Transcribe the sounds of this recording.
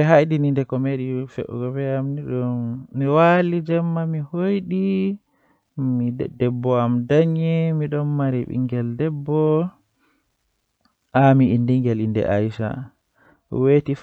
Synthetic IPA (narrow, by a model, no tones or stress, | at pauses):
ɛɦajɗinindɛkɔmeɗifɛ̰ʔɔ̰ɡɔbɛamniɗɔnːiwalid͡ʒɛmːamihojɗi | midɛbːɔamdaɲɛmiɗɔnmaɾiɓḭŋɡɛldɛbːɔ | ʔamiindiŋɡɛlindɛ̰ʔa̰jsa̰ | wetif